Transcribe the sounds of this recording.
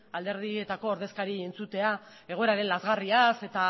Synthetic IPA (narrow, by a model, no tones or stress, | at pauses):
ald̪e̞ɾðie̞t̪ako̞ːɾðe̞skaɾie̞nt͡sut̪e̞a | e̞ɣ̞o̞eɾaɾe̞nlazɣariase̞t̪a